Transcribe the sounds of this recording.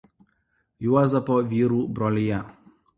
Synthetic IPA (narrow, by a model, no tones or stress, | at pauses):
juazapɔviɾubɾɔlija